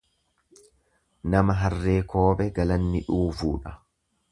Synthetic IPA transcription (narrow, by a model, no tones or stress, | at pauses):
nɐmɐɦɐrːe̞ːkʰo̞ːbɛɡɐlɐnːɪᶑuːfuːᶑɐ̥